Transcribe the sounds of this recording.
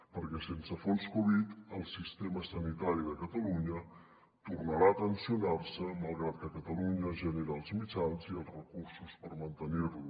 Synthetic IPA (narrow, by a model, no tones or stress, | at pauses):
pəɾkɛsensəfɔlˠskoβit̪əlˠsist̪ɛməsənit̪aɾiðəkət̪əluɲə | t̪urnəɾaət̪ənsiunaɾsəməlˠɣɾat̪̚kəkət̪əluɲəʒəneɾəːlˠzmit͡ʃanziəlˠzrəkuɾsuspəɾmənt̪ənirlu